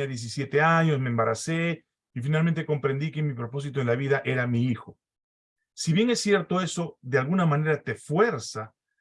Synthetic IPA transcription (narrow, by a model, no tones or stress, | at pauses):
aðje̞s̬isje̞t̪e̞aɲo̞smembaɾase | ifinalmẽ̞nt̪e̞ko̞mpɾe̞nd̪ikemipɾo̞po̞s̬it̪oenlaβiðaʔe̞ɾamiixo̞ | siβje̞ŋe̞sːje̞ɾt̪o̞e̞so̞ðealɣunamãne̞ɾat̪e̞fwe̞ɾsa